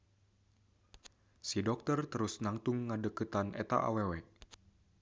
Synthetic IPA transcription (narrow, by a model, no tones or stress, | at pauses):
sidɔk̚t̪ərt̪əɾusnaŋt̪uŋːadəkət̪anʔḛt̪a̰ʔa̰wewɛ